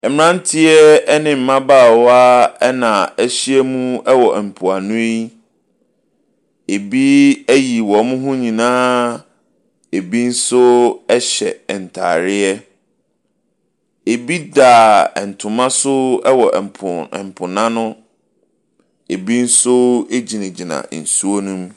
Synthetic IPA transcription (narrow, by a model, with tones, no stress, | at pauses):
ɛ˨mɪ̃˨ɾã˦n˦tʰɪ˦ɛ˦ɛ˦nɪ̃˦m̩˨mã˦baː˦˨wa˦ɛ˦nã˨æ˦ɕi˦ɛ˦mũ˦ɛ˦wɔ˨ʔɛ˨m̩˨pʰu˨a˨nʊ̃˦e˦i˦ | e˨bi˦æ˦ji˨wɔ˨mʊ̃˦ɦʊ̃˦ɲĩ˨nãː˦ | e˨bi˦n̩˦sʊ˦ɛ˦ɕɛ˨n̩˨tʰa̰ː˨ɾɪ˦ɛ˦ | e˨bi˦daː˨ɛ˨n̩˨tʰʊ̃˨mã˦sʊ˦ɛ˦wɔ˨pʰʊ˨ɛ˨m˨pʰʊ̃˨nã˦nʊ̃˦ | e˨bi˦n̩˦sʊ˦e˦d͡ʑi˨nɪ̃˨d͡ʑi˨nã̰˨n̩˨su˦o˦nũ˦m